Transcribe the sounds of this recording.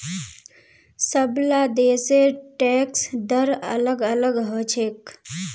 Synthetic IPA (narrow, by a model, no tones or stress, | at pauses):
səblad̪eseʈɛksd̪əɾə̰ləɡələɡɦət͡ʃʰek